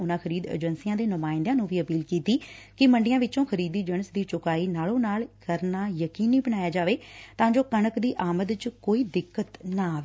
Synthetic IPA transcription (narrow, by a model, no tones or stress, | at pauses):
ʊnãːkʰəɾiːd̪ḛːd͡ʒənsijãːd̪eːnʊmaːɪ̃nd̪ãːnũːʋiːəpiːlkiːt̪iːkɪməɳɖɪjãːʋɪt͡ʃõːkʰəɾiːd̪iːd͡ʒənsd̪iːt͡ʃʊkaːiːnaːlõːnaːlkəɾnaːjəkiːniːbənaːjaːd͡ʒaːʋeːt̪ãːd͡ʒoːkənəkd̪iːʔaːməd̪t͡ʃkoːiːd̪ɪkːət̪naːʋe